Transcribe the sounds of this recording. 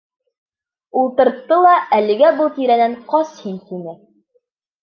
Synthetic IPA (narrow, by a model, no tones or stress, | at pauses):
ulˠt̪ɤ̆ɾt̪ːɤlˠɑʔælɘ̆ɡæbɤlˠt̪iɾænæɴqɒshint̪inɘ